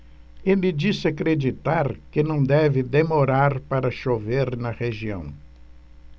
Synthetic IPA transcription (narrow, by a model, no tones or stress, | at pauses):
elɪd͡ʒisɪakɾed͡ʒit̪aɾkɪnɐ̃w̃d̪ɛvɪd̪emoɾaɾpaɾɐʃoveɾnɐʁeʒiɐ̰̃w̃